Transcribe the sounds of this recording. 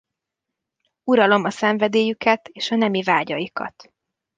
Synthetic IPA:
uɾɒlo̞mɒsɛɱvɛd̪eːjykɛt̪eːʃɒnɛmivaːɟɒjikɒ̰t̪

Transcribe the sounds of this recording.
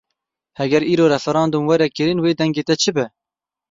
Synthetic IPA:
hɛɡʲɛɾiːɾoːɾɛfɛɾɑːnd̪umwɛɾɛkɨɾinweːd̪ɛŋɡeːt̪ɛt͡ʃʰɪbɛ

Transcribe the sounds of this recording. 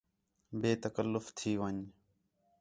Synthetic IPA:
beːt̪əkəlːʊft̪ʰiːʋəɲ

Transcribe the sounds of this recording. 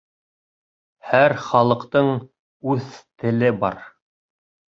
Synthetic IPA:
hæɾχɑlˠɤ̆qt̪ɤɴ | ʉθt̪ɘ̆lɘbɑɾ

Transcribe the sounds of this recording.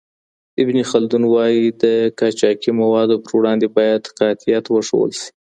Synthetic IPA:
ɪbnixald̪unwɑjid̪əkɑt͡ʃɑkimawɑd̪opəɾwɽɑnd̪ebɑjad̪qɑt̪ijat̪wəʂo̰wə̰lʃi̥

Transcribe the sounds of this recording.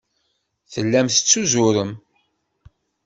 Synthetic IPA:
θəlːæmθət͡sːuzʊɾəm

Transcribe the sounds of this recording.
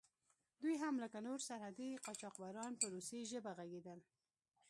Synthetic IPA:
d̪ujɦamləkanoɾsaɾhad̪iqɑt͡ʃɑqbɑɾɑnpəɾoseʒəbaɣaɡed̪əl

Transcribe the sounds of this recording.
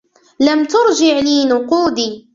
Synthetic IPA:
lamt̪ʊɾd͡ʒɪʕliːnʊquːd̪iː

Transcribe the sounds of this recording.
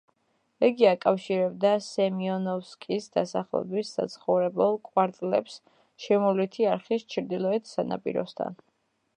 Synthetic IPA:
ɛɡiakʼafʃiɾɛb̚d̪asɛmiɔnɔfskʼisd̪asaχlɛ̰bisːa̰t̪sʰχɔvɾɛbɛlˠkʼwaɾt̪ʼlɛ̰ps | ʃɛmɔlit̪ʰiaɾχist͡ʃʰɾd̪ilˠɔɛt̪ʰsana̰pʼḭɾɔ̰st̪ʰa̰n

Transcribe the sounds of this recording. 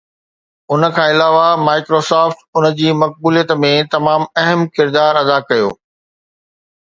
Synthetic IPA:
ʊnə̆kʰãːɪlaːʋamaːɪkɾoːsaːfʈʊnə̆d͡ʑiːmɐk̚buːlijət̪mẽt̪ɐmaːmɐɦəmkɪɾd̪aːɾɐd̪akɐjo̰ː

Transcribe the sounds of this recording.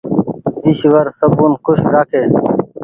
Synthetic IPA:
iɕʋəɾsəbuːnkʊɕɾaːkʰeː

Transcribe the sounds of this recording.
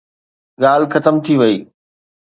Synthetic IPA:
ɠaːl̤xɐt̪əmt̪ʰiʋɐiː

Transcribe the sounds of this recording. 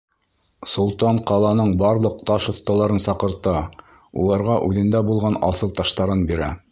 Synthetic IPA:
sulˠt̪ɑɴqɑlˠɑnɤɴbɑɾlˠɤq̚t̪ɑʃŏθt̪ːɑlˠɑɾɤnsɑqɤ̆ɾt̪ɤ | ṵlˠɑɾʁɑʔʉðɘ̆nd̪æbulˠʁɑnɑθɤlˠt̪ɑʃt̪ɑɾɤnbiɾæ̰

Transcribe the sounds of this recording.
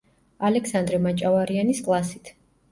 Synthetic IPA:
alɛksand̪ɾɛmat͡ʃʼavaɾianiskʼlˠasit̪ʰ

